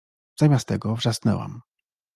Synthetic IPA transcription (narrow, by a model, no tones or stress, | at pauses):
z̥amʲast̪ɛɡɔvʐasnɛ̰wa̰m